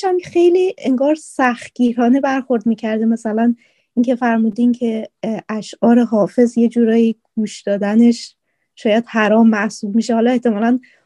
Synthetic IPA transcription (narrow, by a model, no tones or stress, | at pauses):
ʃæmxe̞jliːʔe̞ŋɡɒːɾsæxt̪̚ɟ̥iːɾɒːne̞bæɾxo̞ɾd̪miːcʰæɾd̪emæsælæn | ʔiŋcʰe̞fæɾmuːd̪incʰe̞ʔæʃɒːɾe̞ɦɒːfe̞zje̞d͡ʒuːɾɒːjiɡ̥uːʃd̪ɒːd̪æne̞ʃ | ʃɒːjæd̪̥hæɾɒːmːæʔsuːbmiːʃehɒːlɒːeht̪e̞mɒːlæn